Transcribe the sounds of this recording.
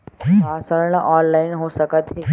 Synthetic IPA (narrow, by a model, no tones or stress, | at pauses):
asəɾɳəʔɔnlainɦosəkət̪ɦiː